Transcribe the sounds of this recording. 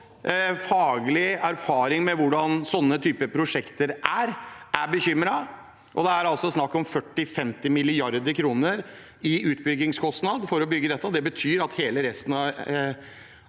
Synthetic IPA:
fɑːɡlɪæɾfɑːɾɪŋmɛʋʊɖɑnsɔnːət̪ʰyːpəpʰɾʊʂɛkt̪əɾʔæɾʔæɾbəçʏmɾɑ | ʔɔd̪ɛæɾɑlsɔsnɑkːɔmfœʈːɪfɛmt̪ɪmɪlɪɑɾd̪əɾkʰɾuːnəɾ | ɪʉːt̪̚bʏɡːɪŋskʰɔst̪nɑd̪fɔɾɔbʏɡːəd̪ɛt̪ːəɔd̪ɛbət̪ʰyːɾɑt̪heːləɾɛst̪n̩ɑ

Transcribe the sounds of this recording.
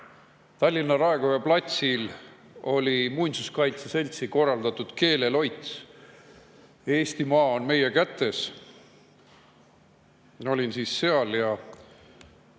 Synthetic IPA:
t̪ɑlʲːinːɑɾɑeɡ̥ojɑplɑt̪sil | o̞lʲimunʲsuskɑjt̪sese̞lʲt̪siko̞rːɑld̪̥ɑt̪ˑud̪̥ke̞ːle̞lo̞jt̪s | e̞ːst̪imɑːonme̞je̞kæt̪ːˑe̞s | o̞lʲinsiːsːe̞ɑljɑ

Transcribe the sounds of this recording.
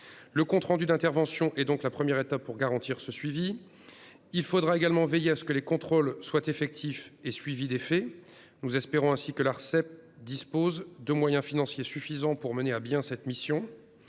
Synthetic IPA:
ləkɔ̃t̪χɑ̃d̪yd̪ɛ̃t̪ɛʁvɑ̃sjɔ̃ʔɛd̪ɔ̃klapχəmjɛʁet̪apːuʁɡaʁɑ̃t̪iʁsəsɥivi | ilfod̪ʁaeɡalmɑ̃vejeasə̥kəlekɔ̃t̪χolswat̪efɛk̚t̪ʰifesɥivid̪efɛ | nuzɛspeʁɔ̃ɛ̃sikəlaʁsɛp̚d̪ispozd̪əmwajɛ̃finɑ̃sjesyfizɑ̃puʁməneabjɛ̃sɛt̪misjɔ̃

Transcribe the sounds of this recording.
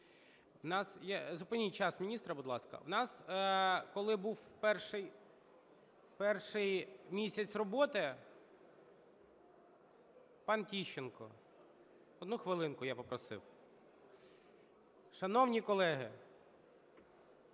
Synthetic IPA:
wnɑsjazʊpɪnʲijt͡ʃɑsmʲinʲist̪ɾɐbʊd̪lˠɑskɐ̰wnɑs | kɔlˠɪbuwpɛrʃɪj | pɛrʃɪjmʲisʲɐt͡sʲrɔbɔt̪ɪ | pɑntʲiʃenkɔ̰ | ɔd̪nuxʋɪlˠɪnkʊjapɔpɾɔsɪ̰w | ʃɐnɔwnʲikɔlˠɛɦɪ̰

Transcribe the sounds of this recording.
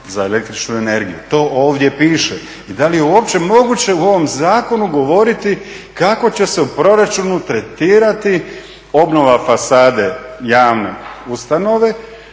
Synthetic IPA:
zae̞le̞k̚t̪ɾit͡ʃnue̞ne̞ɾɡijut̪o̞ːʔoːʋd̪je̞piːʃe | id̪alije̞uopt͡ɕe̞mo̞ɡut͡ɕe̞uo̞ʋo̞mzaːko̞nuɡo̞ʋo̞ɾit̪i | kako̞t͡ɕe̞se̞upɾo̞ɾat͡ʃunut̪ɾe̞t̪iːɾat̪i | o̞bno̞ʋafasaːd̪e̞jaːʋne̞̰ust̪ano̞ʋe̞

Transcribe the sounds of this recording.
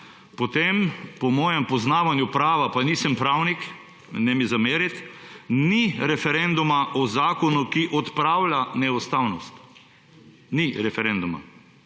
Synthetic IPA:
pɔt̪empɔmɔːjɛmpɔznaːʋanjupɾaːʋapaniːsɛmpɾawnik | nɛmizameːɾit̪niɾɛfɛɾɛnd̪umaʔɔzaːkɔnukiʔɔt̪pɾaːwlanɛɔst̪awnɔst̪ | niɾɛfɛɾɛnd̪uma̰

